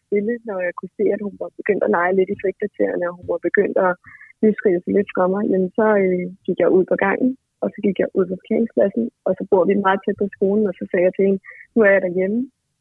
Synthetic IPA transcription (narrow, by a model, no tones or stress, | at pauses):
d̥e̝lənɒjɑ̈ɪkʰuse̝̰ːæd̥hunʋɑ̈b̥e̝ɡ̥øn̰d̥ælɑ̈ɪəle̝d̥ifʁiɡ̥̚kʰɑt͡sʰḛɐnəɒ̽hunʋɑ̈b̥e̝ɡ̥øn̰d̥ɒnisɡ̥ʁḭ̥ːəsale̝d̥fʁɑ̈mɑ̈ɪjemnsɒ̽øɡ̥iɡ̥jɑ̈ɪuð̞̰ˠpʰɒ̽ɡ̥ɑ̈ŋ̰n̩ | ɒ̽sɒ̽ɡ̥iɡ̥jɑ̈ɪʔuð̞̰ˠpʰɒ̽fʰe̥kʰḛɐʁeŋskpʰlæsn̩ɒ̽sɒ̽b̥o̝ɐ̰ʋimɑ̈ːð̞̩ˠt͡sʰed̥̚pʰɒ̽sɡ̥o̝ːln̩ɒ̽sɒ̽sɛːjɑ̈ɪt͡sʰe̝henənuæɐjɑ̈ɾɑjemə